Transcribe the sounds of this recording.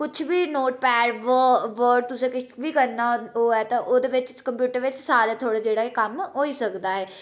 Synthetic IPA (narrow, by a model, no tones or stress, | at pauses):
kʊt͡ʃʰʋiːnoːʈ̚pɛːɾʋəʋəɾɖ̚t̪ʊsẽːkɪt͡ʃbiːkəɾnaoːɛːt̪ãʔoːd̪eːʋɪt͡ʃkəmpjuːʈəɾʋɪt͡ʃsaːɾaːt̪ʰoːɽaːd͡ʒeːɽaːekəmɦoːiːsəkd̪aːɦɛː